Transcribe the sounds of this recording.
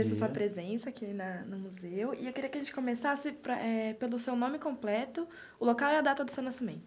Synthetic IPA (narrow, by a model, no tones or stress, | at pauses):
esɐsuɐpɾezẽsɐːkinɐnʊmuzeʊɪewkeɾiɐkɪɐʒẽt͡ʃɪ̥kõmesasɪpɾɐʔɛpelʊsewnõmɪkõmplɛt̪ʊ | ʊlokawɛɐd̪at̪ɐd̪ʊsewnasimẽnt̪ʊ̥